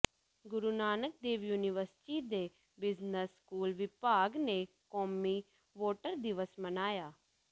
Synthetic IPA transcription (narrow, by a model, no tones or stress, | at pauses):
ɡʊɾunaːnək̚d̪eːʋjuːnɪʋəɾsɪ̥ʈid̪eː | bɪznəskuːlʋɪpaːɡne | kɔːmiː | ʋoːʈəɾd̪ɪʋəsmənaːjaː